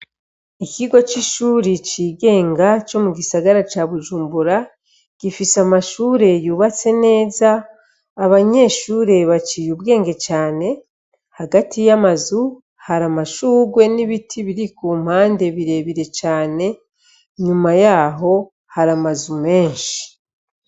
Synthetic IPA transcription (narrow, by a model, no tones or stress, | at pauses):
ikiɡo̞t͡ʃiʃuːɾit͡ʃiːɡe̞ːŋɡat͡ʃo̞muɡisaɡaɾat͡ʃaβuʒuːmbuɾa | ɡ̥ifisamaʃuːɾe̞juːβat͡se̞ne̞ːzaː | βaɲe̞ːʃuːɾe̞βat͡ʃijuβɡe̞ːŋɡe̞t͡ʃaːne̞ | haɡatʰijamazu | haɾamaʃuːɡwe̞niβitʰiβiɾikuːm̥haːnde̞βiɾe̞βiɾe̞t͡ʃaːne̞ | ɲumajaːɦo̞ | haɾamazume̞ːnʃi̥